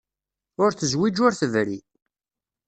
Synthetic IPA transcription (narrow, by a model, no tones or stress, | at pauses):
ʊɾθəzwid͡ʒʊɾθəvɾḭ